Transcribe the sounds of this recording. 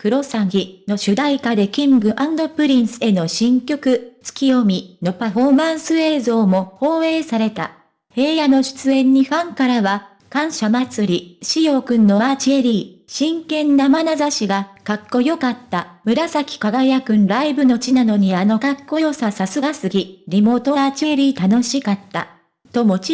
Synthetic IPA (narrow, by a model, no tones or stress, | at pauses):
kɯ̟ɾo̞saɡʲino̞ɕɨd̪aikad̪e̞kʲĩŋɡɯ̟ʔãnd̪o̞pɯ̟ɾʲĩɰsɨ̥e̞no̞ɕĩŋkʲo̞kɯ̟t͡sɨ̥kʲijo̞mʲino̞paɸo̞ːmãɰ̃sɨe̞ːzo̞ːmo̞ho̞ːe̞ːsaɾe̞t̪a̰ | he̞ːjano̞ɕɨ̥t͡sɨẽ̞ɲ̟ːiɸãŋkaɾaβa | kãɰ̃ɕamat͡sɨɾʲiɕijo̞ːkɯ̟̃nːo̞maːt͡ɕieɾʲiː | ɕĩŋkẽ̞nːamanazaɕiɡakakːo̞jo̞kat̪ːamɯ̟ɾasakʲi̥kaɡajakɯ̟̃nɾaibɯ̟no̞t͡ɕinano̞ɲ̟iano̞kakːo̞jo̞sasasɨɡasɨɡʲiɾʲimo̞ːt̪oaːt͡ɕieɾʲiːt̪ano̞ɕikat̪ːa̰ | t̪o̞mo̞t͡ɕ